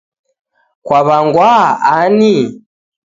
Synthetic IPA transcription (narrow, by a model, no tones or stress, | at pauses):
kwaβaŋɡwaani